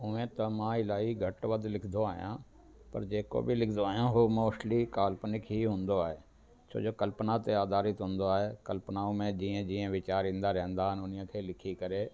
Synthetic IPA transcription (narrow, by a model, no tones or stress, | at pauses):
ʊʋẽːt̪əmãːɪlaːiɡʱəʈʋəd̪lɪkʰd̪oaːɪjã̰ː | pəɾd͡ʒeːko̰ːbʱilɪkʰd̪oaːɦjãːɦoːmoːʃliːkaːlpnɪkɦiɦʊ̃ːnd̪oaːɦeː | t͡ʃʰo̰ːd͡ʒoːkəlpnaːt̪eaːd̪aːɾɪt̪ɦʊ̃ːnd̪oaːɦeːkəlpnaːõmẽd͡ʒiːẽd͡ʒiːẽʋɪt͡ʃaːɾĩːnd̪aːɾɛ̃ːnd̪aːɦənʊnɪjãːkʰeːlɪkʰikəɾeː